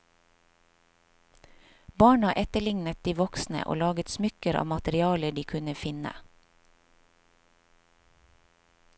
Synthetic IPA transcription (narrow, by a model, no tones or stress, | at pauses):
bɑːɳɑʔɛt̪əɭɪŋnət̪̚d̪iːʋɔksnə̰ʔo̰ːlɑːɡət̪smʏkəɾɑ̰ːmɑt̪əɾɪɑːləɖiːkʰʉnəfɪnə̰